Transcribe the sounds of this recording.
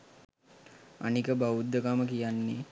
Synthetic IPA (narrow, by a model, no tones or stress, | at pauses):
a̰nikəbaud̪ːəkaməkijanːe